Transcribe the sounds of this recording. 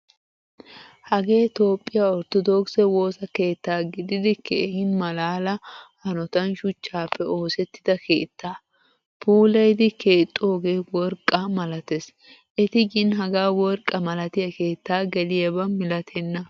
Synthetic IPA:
hɐɡe̞ːt̪o̞ːpʼːɪjaːɔɾt̪ɔd̪oːksɛwo̞ːsɐke̞ːt̪ːaːɡɪd̪ɪd̪ɪkʰḛhɪnmɐlaːlɐhɐnɔt̪ɐnʃʊt͡ʃːaːpʰːɛo̞ːsɛt̪ːɪ̥d̪ɐke̞̰ːt̪ːaː | puːlɐjd̪ɪke̞ːt̪ʼːʊoːɡeːwɔɾkʼːamɐlɐt̪es | ʔɛt̪ɪɡɪnɦɐɡaːwɔɾkʼːɐmɐlɐt̪ɪjɐke̞ːt̪ːaːɡɛlɪjɐbɐmɪlɐt̪ʰɛnːɐ

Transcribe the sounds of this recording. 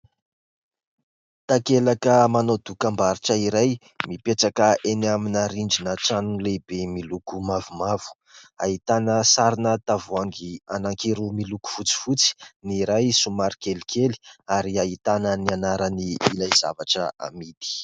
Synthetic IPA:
t̪akelakəmanod̪ukambaɾiʈ͡ʂəiɾaj | mipeʈ͡ʂakəʔenaminaɾiɳd͡ʒinəʈ͡ʂanulebemilukumavumavu̥ | a̰ɦit̪anəsaɾinət̪avuaŋɡianaŋkiɾumiluku̥fut͡si̥fut͡si̥niɾajsumaɾikelikʰeli̥aɾiaɦit̪anənianaɾəniilajza̰vaʈ͡ʂəa̰mid̪i̥

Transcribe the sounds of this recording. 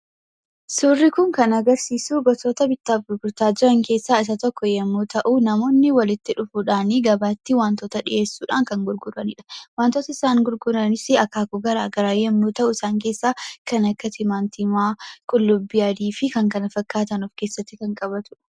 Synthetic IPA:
sʊrːɪkʊŋkɐnɐɡɐɾsiːsuːɡɔt̪oːt̪ɐbɪt̪ːaːfɡʊɾɡʊɾt̪aːd͡ʒɪɾɐŋke̞ːsːaːɪs̬ɐt̪ɔkːɔjɛmːuːt̪ɐʔunɐmo̞ːnːɪwɐlɪt̪ːɪᶑʊfuːᶑaːniɡɐbaːt̪ːɪwaːnt̪oːt̪ɐᶑɪʔe̞ːsːuːᶑaːŋkɐŋɡʊɾɡʊɾɐnɪᶑɐ̥waːnt̪oːt̪ɐɪsaːŋɡʊɾɡʊɾɐnɪsɪɐkːaːkɔɡɐɾa̰ːɡɐɾaːjɛmːuːt̪ɐʔʊɪsaːŋke̞ːsːaːkɐnɐkːɐt̪ɪmaːnt̪imaːkʼʊlːʊbːɪjɐd̪iːfɪkɐŋkɐnɐfɐkːaːt̪ɐnɔfke̞ːsːɐt̪ːɪkɐŋkʼɐbɐt̪ʊ̥ᶑɐ̥

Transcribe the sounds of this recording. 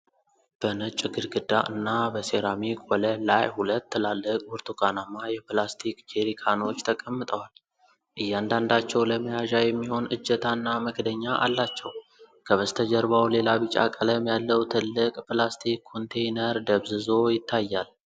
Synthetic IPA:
b̥ənɨt͡ʃʼːɨɡɨɾɡɨd̪aʔɨ̰nːabəseɾamikʼwɔləlajhulət̪ːɨlalːɨkʼwuɾt̪ʰuɡanamːajɛplast̪ʰikd͡ʒeɾikʰano̞t͡ʃːt̪ʰəkʼəmːɨt̪ʼəwal | ʔɨjːand̪and̪at͡ʃːɛwləməjaʒajɛmːiho̞nʔɨd͡ʒːət̪ʰanːaməkd̪əɲːaʔa̰lːat͡ʃːɛw | kʰəβəst̪ʰəd͡ʒəɾβawle̞laβɨt͡ʃʼa̰kʼələmjalːəwt̪ʰɨlːɨkʼplast̪ʰikʰːo̞nt̪ʰejnəɾd̪əβzɨzo̞jɪt̪ʰːajːal

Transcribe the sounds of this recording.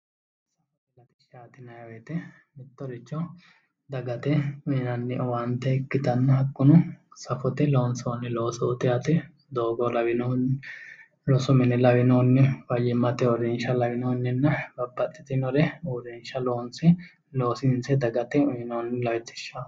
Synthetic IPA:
f | sɐɔt̪ɛlɐt̪ɪʃaːt̪ɪnɐjɐɛt̪ɛ | mɪt̪ːɔɾɪt͡ʃːɔ | d̪ɐɡɐt̪ɛʊjɪnɐnːɪʔɔwant̪ɛɪkːɪt̪ɐnːɐhɐkʼːʊnʊsɐfɔt̪ɛloːnsonːɪloːsoːt̪ɪjɐt̪ɛ | d̪oːɡɔlɐwɪn | lɔsʊmɪnɪlɐwɪnoːnːɪfɐjɪmːɐt̪ɛɔɾɛnʃɐlɐwɪnoːnːɪnːɐbɐbːɐt̪ʼːɪ̥t̪ɪnɔɾɛɔɾɛnʃɐloːnsɪ | lo̞ːsɪnsɛd̪ɐɡɐt̪ɛʊjɪnoːnːɪlɐwɪt̪ːɪ̥ʃaː

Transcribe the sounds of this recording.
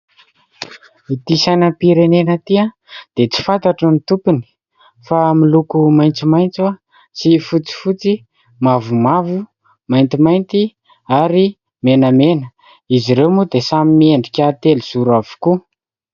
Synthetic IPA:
it̪isanəpiɾenenət̪iə | d̪̥et͡si̥fant̪aʈ͡ʂənit̪upuni̥ | familukumajnt͡simajnt͡sa | sifut͡si̥fut͡si | mavumavu | majnt̪imajnt̪i | aɾi | menəmenə | iziɾewmud̪esamimieɳɖ͡ʐikʲat̪elz̥uɾavu̥ku

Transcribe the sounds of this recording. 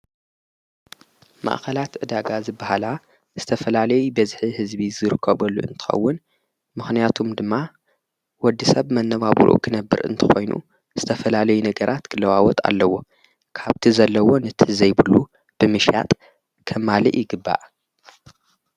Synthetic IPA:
ma̰ʔxɐlat̪ʔɨd̪aɡazɨbːahala | z̥ɨt̪ʰɐfɐlalɐjubɐzħihɨzbizɨɾɨkʰːɐβɐlːṵʔɨ̰nt̪ʰɨ̥xɐ̰wːʊn | mɨxnijat̪ʰumd̪ɨmːa | wɔd̪ːisɐβmɐnːɐβaβ̰ɾʔṵkʰɨnɐbːɨ̰ɾʔɨ̰nt̪ʰɨ̥xo̞jnṵ | z̥ɨt̪ʰɐfɐlalɐjunɐɡɐɾʔat̪kʰɨlːɐwawɔt̪ʼa̰lːɐwo̞ | kʰaβt̪ʰizɐlːɐwo̞nɨt̪ʰɨzɐjbɨlːu | b̥ɨmɨʃja̰t̪ʼ | kʰɐmːaliʔjɪɡɨbːa̰ʔ

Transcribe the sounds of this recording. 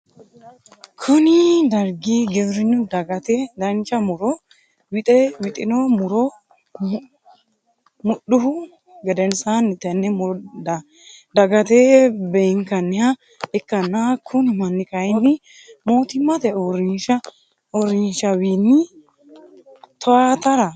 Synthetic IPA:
kʰʊnɪd̪ɐɾɡiɡɛbɾɪnːʊd̪ɐɡɐt̪ed̪ɐnt͡ʃɐmʊɾɔ | wɪt̪ʼɛwɪt̪ʼɪnɔmʊɾɔ | mʊɗʊhʊ | ɡɛd̪ɛnsanɪt̪ɐnːɛmd̪ɐ | d̪ɐɡɐt̪ebɛŋkɐnːɪhɐ | ɛkːɐnːakʰʊnɪmɐnːɪkɐjɪnːɪ | moːt̪ɪmːɐt̪ɛɔɾɪnʃɐ | ɔɾɪnʃɐwiːnːɪ | t̪ʰɔat̪ɐɾɐ

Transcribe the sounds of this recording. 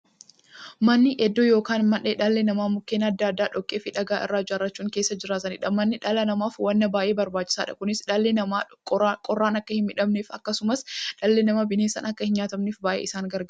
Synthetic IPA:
mɐnːɪʔɛd̪ːojoːkaːnmɐʔeːᶑɐlːenɐmaːmʊkːeːnɐd̪ːaːd̪ːaːᶑɔkʼːeːfɪᶑɐɡaːʔɪ̰rːaːd͡ʒaːɾːɐt͡ʃːuːŋke̞ːsːɐd͡ʒɪɾaːt̪̬ɐnɪᶑɐmɐnːɪᶑɐlɐnɐmaːfwɐnːɐbaːjʔe̞ːbɐɾbaːt͡ʃːɪ̥saːᶑɐkʊnɪsᶑɐlːeɐ | kʼɔrːaːnɐkːɐhɪmmɪᶑɐmneːfɐkːɐsʊmɐsᶑɐlːenɐmɐbɪneːsɐ̰nɐkːɐhɪnɲaːt̪ɐmneːfbaːʔḛːɪsaːŋɡɐɾɡɐ

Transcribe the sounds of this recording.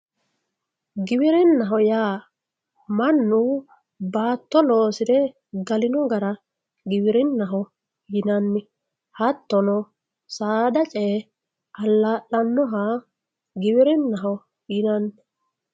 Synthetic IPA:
ɡɪbɪɾɪnːɐɦɔjaː | mɐnːʊ | baːt̪ːɔlo̞ːsɪd̪ɛ | ɡɐlɪnɔɡɐɾɐ | ɡɪbɪɾɪnːɐɦɔ | jɪnɐnːɪ | hɐt̪ːɔnɔ | saːd̪ɐt͡ʃʼɛ | ʔɐlːaːʔɐnːɔɦa | ɡɪbɪɾɪnːɐɦɔ | jɪnɐnːɪ

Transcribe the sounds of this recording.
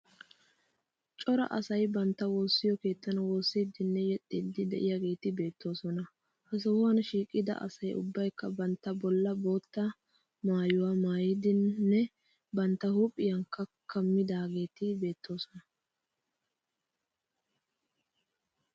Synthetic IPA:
t͡ʃʼɔɾɐ̰ʔɐsɐjbɐnt̪ːɐwo̞ːsːɪjɔke̞ːt̪ːɐnɐwo̞ːsːid̪ɪnːɛjɛt̪ʼːɪd̪ɪd̪ɛ̰ʔɪjaɡe̞ːt̪ɪbe̞ːt̪ːo̞ːsɔnɐ | hɐs̬ɐwʊwɐnʃiːkʼːɪd̪ɐ̰ʔɐ̰sɐjʊ̰bːɐjkːɐbɐnt̪ːɐbɔlːɐbo̞ːt̪ːɐ | maːjʊwamaːjɪd̪ɪnːɛ | bɐnt̪ːɐhʊpʼːɪjɐŋkːɐkʰːɐmːɪd̪aːɡe̞ːt̪ɪbe̞ːt̪ːo̞ːsɔnɐ

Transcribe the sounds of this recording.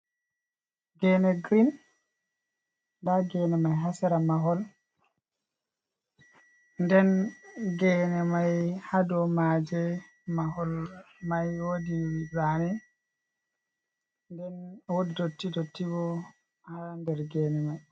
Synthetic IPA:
ɡɛnɛɡɾin | daɡɛnɛmajɦasɛɾamaɦɔl | ndɛnɡɛnɛmajhadɔmad͡ʒɛ | maɦɔl | majwodiwibanɛ | ndɛnwodidotːidotːibɔ | handɛɾɡɛnɛmaj

